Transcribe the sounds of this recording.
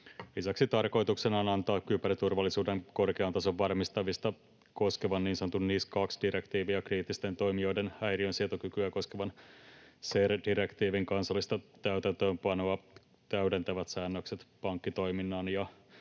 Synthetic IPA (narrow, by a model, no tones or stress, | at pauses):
lisæksit̪ɑrko̞jt̪uksenɑːnɑnt̪ɑːkːypæɾit̪urʋɑlːisuːdeŋko̞rkeɑnt̪ɑso̞ʋːɑrmist̪ɑʋist̪ɑ | ko̞skeʋɑnniːnsɑnot̪unniːskɑksdiɾekt̪iːʋiɑkriːt̪ːist̪e̞nt̪o̞jmio̞jdenæjɾiønsiet̪okykyæko̞skeʋɑn | serdiɾekt̪iːʋiŋkɑnsɑlːist̪ɑt̪æyt̪ænt̪øːmpɑno̞ɑ | t̪æyde̞nt̪æʋæt̪sæːnːøkset̪pɑŋkːit̪o̞jminːɑːnjɑ